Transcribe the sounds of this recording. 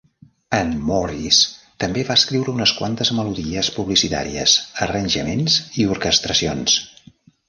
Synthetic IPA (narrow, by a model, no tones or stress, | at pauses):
ənːɔrist̪əmbeβaskɾiwɾəunəskwant̪əzməluðiəspuβlisit̪a̰ɾiə̰zərənʲʒəmenziuɾkəst̪ɾəsions